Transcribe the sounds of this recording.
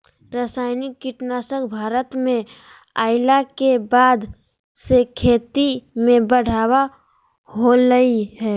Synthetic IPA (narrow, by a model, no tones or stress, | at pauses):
ɾasaːɪnikːɪʈnaːsəkbʱaːɾət̪mẽ | aːɪlakebaːd̪ | sekʰeːt̪imẽbəɽ̤ʱaːwa | ɦoləiɦɛː